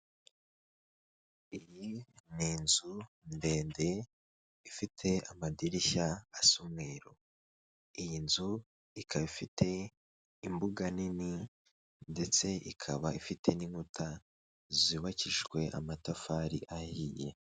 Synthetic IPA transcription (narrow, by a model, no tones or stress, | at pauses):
ijiniːnzu | nde̞ːnde̞ | ifitʰe̞amadiɾiçaasumŋeɾo | ijinzu | ikʰaβifitʰe̞ | imbuɡanini | nde̞t͡se̞ikʰaβaifitʰe̞niŋutʰa | ziβaciʃɡwe̞ʔa̰matafaɾḭʔahije̞̰